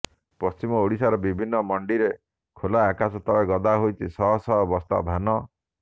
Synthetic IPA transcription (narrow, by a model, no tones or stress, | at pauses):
pɔst͡ʃimɔoɽisaɾɔbibʱinːɔmɔɳɖiɾe | kʰolaakasɔt̪ɔeɡɔd̪aɦojt͡ʃʰisɔɦɔsɔɦɔbɔst̪ʰa̰bʱanɔ